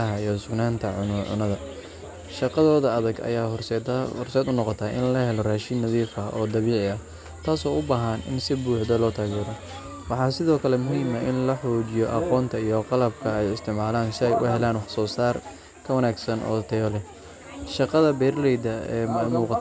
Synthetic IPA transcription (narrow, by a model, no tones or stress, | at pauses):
ɐɦɐijɔsʊɡnaːnt̪ʰɐʕʊnʕʊ̰nɐðɐ | ʃɑqɑðɔːðɐɐðɐɡɐ̰jaːh̪hɔrsɛːd̪ʊnɔqɔt̪ʰaʔɪ̰nlɐhɛlɔraːʃɪnːɐðiːfɐʔɔːd̪ɐβiːʕɪɐ | t̪ʰaːsɔːʊbaːɦɐnɪ̰nsɪbuːħd̪ɐlɔːt̪ʰaːɣɛːɾɔ | wɑħɑːsɪðɔːkʰɐlɛmʊhiːmɐʔɪnlɐħɔːt͡ʃɪjɔʔɑqɔːnt̪ʰɐijɔqɑlɐb̚kʰɐɛjɪst̪ʰɪʕmaːlaːnsjʔʊ̰hɛlaːnwɑħsɔːsaːr | kʰɐwɐnaːɡsɐnʔɔ̰ːt̪ʰɛjɔlɛ | ʃɑqɑðɐbɛːrlɛjd̪ɐɛmuːqɑ